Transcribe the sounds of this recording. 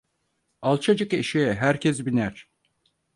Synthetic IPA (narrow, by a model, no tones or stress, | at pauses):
alˠt͡ʃʰad͡ʒɯkeʃijɛɦæɾcʰɛsbinæɾ̥